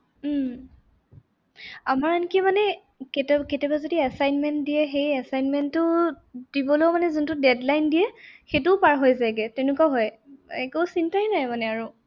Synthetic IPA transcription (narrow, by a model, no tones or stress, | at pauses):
m̩ | amaɹankimanɛ | ketɛketɛbazodiasajnmɛntdiɛxejasajnmɛntːʊ | d̥ibɔlojmanɛzuntʊdɛdlajndijɛxetʊpaɹɦojzajɡɛtɛnukaɦɔj | ɛkosintajnajmanɛaɹu